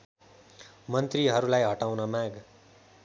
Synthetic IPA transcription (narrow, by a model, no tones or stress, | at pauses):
mʌnt̪riɦʌɾulajɦʌʈawnʌmaɡ